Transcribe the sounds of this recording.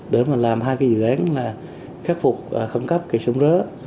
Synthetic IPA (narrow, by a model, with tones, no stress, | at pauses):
ɗe˨˦maː˨˩laː˨˩mɦaː˧jkaː˨˦zɨ̰˧˨ʔaː˨˦nlaː˨˩ | xaː˦˥k̚fʊ˨˩k͡p̚ːxə˧ŋkə˦˥p̚ki˨˩so˨˧˦wŋ͡mzəː˨˦